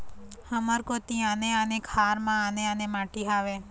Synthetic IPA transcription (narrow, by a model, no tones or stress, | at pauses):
həməɾkot̪ĩãneanekʰaɾmãaneanemaʈiɦaʋe